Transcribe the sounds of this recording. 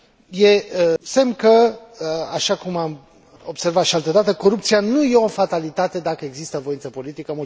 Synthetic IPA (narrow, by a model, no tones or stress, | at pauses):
je̞semkə | aʃakumam | obse̞rvat̪ʃialt̪əd̪at̪əko̞ɾupt̪sianuje̞o̞fat̪alit̪at̪e̞d̪akəe̞ɡzist̪əvo̞int̪səpo̞lit̪ikəmu